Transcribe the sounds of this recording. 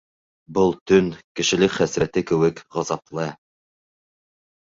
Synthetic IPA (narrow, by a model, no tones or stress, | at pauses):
bɤlˠt̪ɵnkɘ̆ʃɘ̆lɘkχæsɾæt̪ɘkɘ̆wɘkʁɑzɑplˠɤ